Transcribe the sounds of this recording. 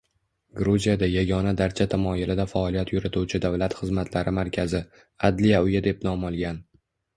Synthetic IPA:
ɡɾuzijad̪ajaɡʲɒnad̪aɾt͡ʃʰat̪ʰamɒjɪlɪd̪afaɒlijat̪ʰjʊɾɪt̪ʰuwt͡ʃʰɪd̪avlat̪χɨzmat̪ʰlaɾɪmaɾkʲʰazɪ | ad̪lijaʊjad̪e̞p̚nɒmɒlˠɡʲan

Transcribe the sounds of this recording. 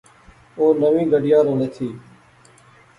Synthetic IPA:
oːnəʋĩːɡəɖɪjãːɾəleːt̪ʰiː

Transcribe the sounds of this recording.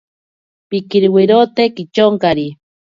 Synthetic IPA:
pikiɾwiɾot̪ekit͡ʃoŋkaɾi

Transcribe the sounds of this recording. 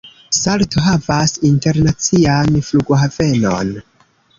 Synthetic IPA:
saltoɦavasinte̞ɾnat͡sianfluɡoɦave̞no̞̰n

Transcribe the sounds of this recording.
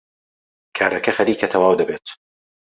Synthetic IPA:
kʰaːɾɐkʰɐxɐɾiːkʰɐt̪ʰɐwaːwd̪ɐbeːt̪

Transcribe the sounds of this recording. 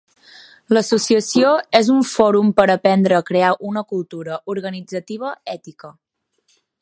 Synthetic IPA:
ləsusiəsioezuɱfɔɾumpəɾəpɛnd̪ɾəːkɾeaʔunəkulˠt̪uɾəʔuɾɣənid͡zət̪iβ̞əɛt̪ikə

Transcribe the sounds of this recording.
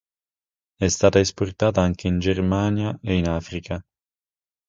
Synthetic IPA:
ɛst̪aːt̪aesport̪aːt̪aaŋk̟eind͡ʒermanjaeinaːfɾikʰa

